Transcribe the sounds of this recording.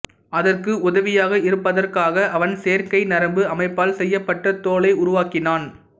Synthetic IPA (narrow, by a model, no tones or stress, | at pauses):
ɐðɐrkɯʊðɐʋɪjaːɣɐɪɾɯpːɐðɐrkaːɣɐʔɐʋɐnseːɾkɐɪnɐɾɐmbɯɐmɐɪpːaːlsɛjːɐpːɐʈːɐt̪oːlɐɪʊɾʊʋaːkɪnaːn